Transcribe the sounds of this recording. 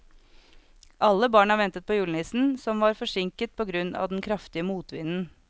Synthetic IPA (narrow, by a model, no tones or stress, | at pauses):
ʔɑlːəbɑːɳɑʋɛnt̪ət̪̚pʰoːjʉːln̩ɪːsn̩sɔmʋɑːɾfɔʂɪŋkət̪̚pʰɔːɡɾʉnɑ̰ːʋd̪ɛn̩kʰɾɑft̪ɪəmuːt̪ʋɪ̰nn̩